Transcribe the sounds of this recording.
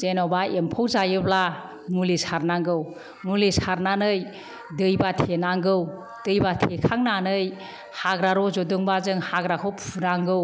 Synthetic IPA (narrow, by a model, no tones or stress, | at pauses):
zenɔbaempʰɔwzajɯbla | ŋulisaɾnaŋɡɯw | ŋulisaɾnanɯj | dɯjbatʰenaŋɡɯw | d̥ɯjbatʰekʰaŋnanɯj | haɡɾaɾɔzodɯŋbazɯŋhaɡɾakʰɔwpʰunaŋɡɯw